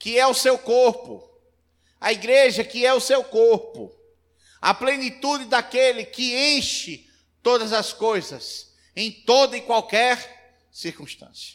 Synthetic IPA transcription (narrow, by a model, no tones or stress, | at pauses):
kɪɛʊsewkoɾpʊ | ɐiɡɾeʒɐkɪɛʊsewkoɾpʊ̰ | ɐ̰plẽnit̪ud͡ʒɪd̪akelɪkɪẽʃɪ | t̪od̪ɐzɐskojzɐs | ẽj̃t̪od̪ɐɪkwawkɛɾ | siɾkũʃt̪ɐ̰̃siɐ̥